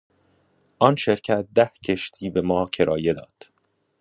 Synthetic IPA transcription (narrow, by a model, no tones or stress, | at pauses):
ʔɒːnʃe̞ɾcʰæt̪̚d̪æhcʰeʃt̪ʰiːbe̞mɒːcʰe̞ɾʔɒːje̞d̪ɒːd̪̥